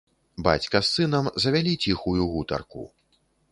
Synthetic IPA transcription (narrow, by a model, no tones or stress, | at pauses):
ba̰t͡sʲkɐsːɨn̪ɐmzɐvʲalʲit͡sʲixujuɣut̪ɐ̰rkṵ